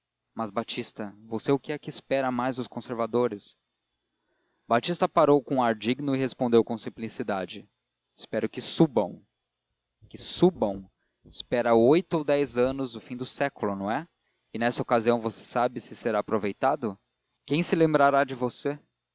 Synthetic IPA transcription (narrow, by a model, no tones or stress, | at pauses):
mɐzbat͡ʃist̪ɐvoseʊkɪɛkiɪspɛɾɐmajzʊskõseɾvad̪oɾɪs | bat͡ʃist̪ɐpaɾowkõaɾd͡ʒiɡnʊɪɦespõnd̪ewkõw̃sĩplisid̪ad͡ʒɪ | ɪspɛɾʊkɪsubɐ̃w̃ | kɪsubɐ̃w̃ | ɪspɛɾaojt̪ʊowd̪ɛjzɐ̃nʊzʊfĩd̪ʊsɛkʊlʊnɐ̃w̃ɛ | ɪnɛsɐokaziɐ̃w̃vose̥sabɪsɪseɾaːpɾovejt̪ad̪ʊ | kẽj̃sɪlẽmbɾaɾad͡ʒɪvose